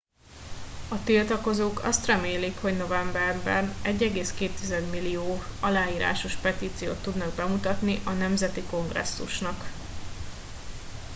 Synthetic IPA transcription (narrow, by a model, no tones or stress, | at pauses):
ɒt̪ilt̪ɒko̞zoːkɒ̰st̪rɛmeːlikho̞ɟno̞vɛmbɛrbɛ̰nnɛɟːɛɡeːskeːt̪ːizɛd̪milːioːɒlaːjiːɾa̰ːʃo̞ʃpɛt̪iːt̪sijo̰ːt̪ːud̪nɒɡ̚bɛmut̪ɒt̪niʔɒnɛmzɛt̪iko̞ŋɡrɛ̰sːṵʃnɒk